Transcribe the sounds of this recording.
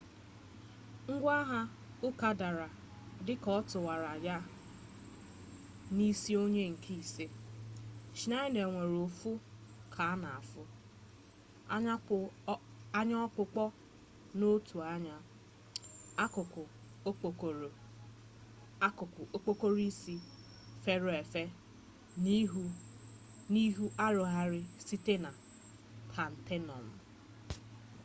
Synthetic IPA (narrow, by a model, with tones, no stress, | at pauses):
ŋ̩˦ɡʷa˦ɦa˦ | ʊ˦ka˨da˨ɾa˨ | dɪ˦kɔ˦tʊ˨wa˨ɾa˨ja˦ | ni˦si˦o˦ɲe˦ŋ̩˨kʰi˦˨se˦ | t͡ʃi˨na˦ɪ˦ne˨ŋʷe˨ɾo˨fu˦kʰa˨a˦na˨a˨fʊ˦ | a˦ɲa˦ɔ˦k͡pʊ˨k͡pɔ˦ | no˦tʰu˨a˦ɲa˦ | a˦kʊ˨kʊ˨ | o˦k͡po˨k | kʊ˨kʊ˨o˦k͡po˦ko˦ɾi˦si˦ | fe˦ɾʊ˦e˨fe˦ | n˦ɦu˦ | ni˦ɦu˦ʔa˦ɾʊ˨ɦa˦ɾɪ˦si˦te˦na˨ | tʰa˨n̩˨tʰe˦nɔ̰˨m̩˨